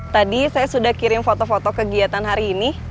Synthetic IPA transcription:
t̪adisajasudahkiɾɪnfot̪ofot̪okəɡiat̪anɦaɾiːni

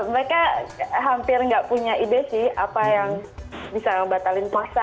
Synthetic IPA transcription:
məɾekaɦampɪrŋɡaʔpuɲaʔidɛsɪha̰pajaŋbisaabat̪alɪnpuasa

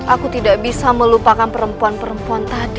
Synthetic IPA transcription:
ʔakut̪idaʔbisaməlupakanpəɾəmpuanpəɾəmpuant̪adi

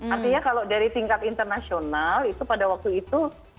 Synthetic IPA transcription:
art̪iɲakalodaɾit̪iŋkat̪int̪ərnasionalit̪upadawak̚t̪uit̪u

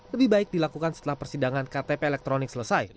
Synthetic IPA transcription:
ləbɪhbaɪk̚dilakukansə̥t̪əlahpərsidaŋankat̪epeːlɛk̚t̪ɾonɪk̚sələsaj

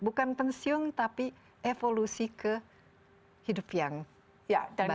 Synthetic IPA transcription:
bukanpənsiʊŋt̪api | efolusikə | hidʊpjaŋ | jaab

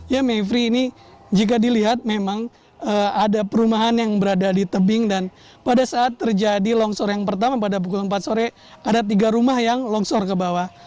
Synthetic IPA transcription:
jamefɾiːni | d͡ʒik̬adiliɦat̪̚memaŋ | əːadapəɾumaɦanjaŋbəɾadadit̪əbɪŋdan | padasaːt̪ːərd͡ʒadilɔŋsɔrjaŋpərt̪amap̬adap̬ukʊləmpat̪̚soɾɛ | adat̪̬iɡaɾumahjaŋlɔŋsɔrkəbawa

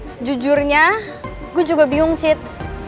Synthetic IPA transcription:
səd͡ʒud͡ʒʊrɲa | ɡuad͡ʒuɡabiʊŋt͡ʃɪt̪̚

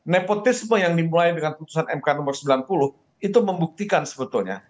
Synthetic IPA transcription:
nepot̪ɪsməjaŋdimulaidəŋanput̪u̥sanɛmkanɔmərsəmbilanpulʊh | it̪uməmbuk̚t̪ikansəbət̪ulɲa̰

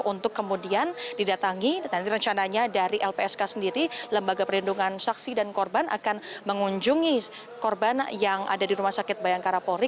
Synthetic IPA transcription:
unt̪ʊkːəmudiandidat̪aŋit̪ant̪iɾəɲt͡ʃanaɲadaɾiʔɛlpeɛskasəndiɾiləmbaɡapərlinduŋansaksidankɔrbanʔa̰kanməŋuɲd͡ʒʊŋi | kɔrbanjaŋʔa̰dadiɾumahsakɪt̪̚bajaŋkaɾapoɾɪ

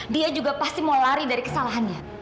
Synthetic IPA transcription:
diad͡ʒuɡapast̪imolaɾidaɾikəsalaɦanɲa

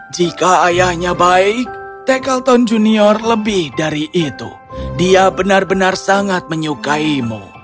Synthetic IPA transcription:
d͡ʒikaːjahɲabaɪk̚ | t̪ɛkalt̪ɔnd͡ʒuniɔrləbɪhdaɾiʔit̪ṵ | diabənarbənarsaŋat̪̚məɲukaimṵ

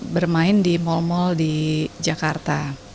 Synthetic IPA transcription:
bərmaɪndimɔlmɔldid͡ʒakart̪a

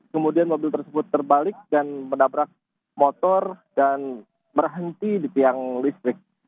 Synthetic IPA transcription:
kəmudianmobɪlt̪ərsəbʊt̪ːərbalɪk̚danmənabɾak̚ | mot̪ɔrdan | bərɦənt̪idit̪iaŋlist̪ɾɪk̚

